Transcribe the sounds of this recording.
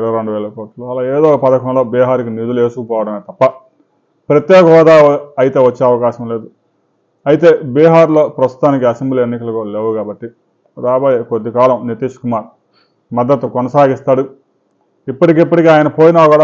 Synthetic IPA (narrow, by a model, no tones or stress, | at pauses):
ɾɐʋɐɾo̞ɳɖuʋɛːlɐkoːʈloːɐlaːeːd̪oːpɐd̪ɐkɐmlo̞ːbiːɦaːɾik̬inid̪uleːsukɐpɔːʋɐɽɐmeːt̪ɐpːɐ | pɾɐt̪jɛːkɐɦɔːd̪aːɐɐjt̪e̞ːʋɐt͡ʃːeːɐʋɐkaːʃɐmle̞ːd̪u | ɐjit̪e̞ːbiːɦaːɾlo̞ːpɾɐst̪u̥t̪aːnikiɐsemblienːikɐlɐkoːleːʋukaːbɐʈːi | d̪aːbɐːjekod̪ːikaːlɐmnit̪iʂkumaːɾ | mɐd̪ːɐt̪ːukɔnɐsaːɡist̪aːɽu | ipːɐʈikipːɐʈikeaːjɐnɐpoːjinɐkoɽa